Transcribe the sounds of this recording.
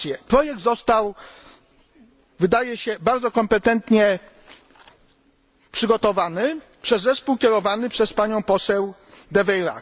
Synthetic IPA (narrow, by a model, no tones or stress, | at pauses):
jɛpɾɔjɛɡ̚d̪zɔst̪aw | vɘd̪ajɛɕɛbaɾd̪zɔkɔmpɛt̪ɛnt̪ɲɛ | pʂɘɡɔt̪ɔvanɘ | pʂɛzːɛspuwkʲɛɾɔvanɘpʂɛspaɲɔ̃w̃pɔsɛwd̪ɛvɛjɾa̰